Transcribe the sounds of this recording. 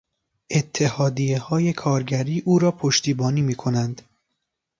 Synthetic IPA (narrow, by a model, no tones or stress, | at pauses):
ʔe̞t̪ʰːe̞hɒːd̪ijehɒːje̞kʰɒːɾɟæɾiːʔuːɾɒːpʰoʃt̪iːbɒːniːmiːkʰo̞nænd̪̥